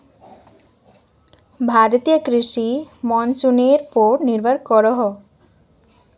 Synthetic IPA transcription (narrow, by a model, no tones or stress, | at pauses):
bʱaɾt̪ijakɾiʃimɔnsuneɾpɔɾniɾbʱaɾkɔɾɔɦɔ